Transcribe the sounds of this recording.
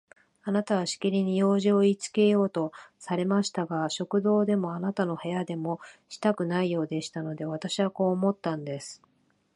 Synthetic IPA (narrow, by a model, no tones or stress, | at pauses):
anat̪aβ̞aɕi̥kʲiɾʲiɲ̟ijo̞ːʑio̞it͡sɨ̥ke̞jo̞ːt̪o̞saɾe̞maɕi̥t̪aɡaɕo̞kɯ̟d̪o̞ːd̪e̞mo̞anat̪ano̞he̞jad̪e̞mo̞ɕi̥t̪akɯ̟naijo̞ːd̪e̞ɕi̥t̪ano̞d̪e̞β̞at̪aɕiβako̞ːmo̞t̪ːãnd̪e̞sɨ̥